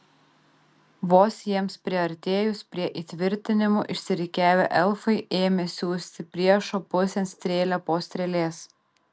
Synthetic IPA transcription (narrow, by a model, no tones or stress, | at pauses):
ʋoːsjiɛmspʲɾʲɪɐɾʲt̪ʲeːjʊspʲɾʲiɛʔiːt̪ʲʋʲɪɾʲt̪ʲɪnʲɪmo̰ːʔɪʃʲsʲɪɾʲɪkʲæːʋʲḛʔɛlˠfɐɪʔeːmʲesʲuːsʲt̪ʲɪpʲɾʲiɛʃoːpʊsʲɛnsʲt̪ʲɾʲeːlʲæpoːsʲt̪ʲɾʲɛlʲeːs